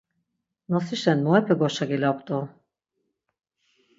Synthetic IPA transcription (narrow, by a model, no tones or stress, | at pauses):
nɔsiʃɛnmɔɛpʰɛɡɔʃaɡilap̚t̪ʼɔ